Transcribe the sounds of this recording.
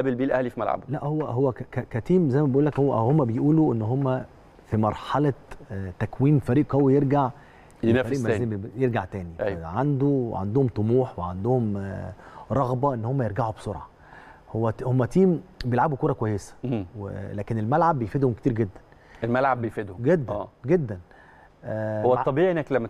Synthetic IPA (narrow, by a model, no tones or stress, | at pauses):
ʔæbelbiːlʔæhlifimæ̰lʕa̰bulæʔhowːæɦowːækkækæt̪iːmzæjmæbeʔuːlːækhowæhomːæbejʔuːluʔenːɦomːæ | fimɑɾˤħɑlɑt̪ækwiːmfæɾiːʔkowːjeɾɡaʕ | enfæɾiːʔmːejeɾɡaʕt̪æːniʔæjʕand̪uʕa̰nd̪ohomt̪ˤomuːħweʕand̪ohom | ɾˤɑɣbɑʔenːhomːæjeɾɡaʕubsˤoɾˤʕɑ | howːæhomːæt̪iːmbejelʕabukuːɾˤɑkwæjːesæ̥wḛlæːkenelmælʕabːejfed̪homket̪iːɾɡed̪ːæn | elmælʕabbejfed̪hɡed̪ːæːɡed̪ːæn | owt̪ˤːɑbiʔʔenːæklæmːæ